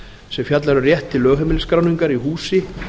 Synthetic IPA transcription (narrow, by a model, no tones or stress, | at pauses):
sɛmfjat̪laɾʏrjɛht̪ʰːɪlːœːɣɦɛmɪlskɾaːwniŋkaɾiɦuːsɪ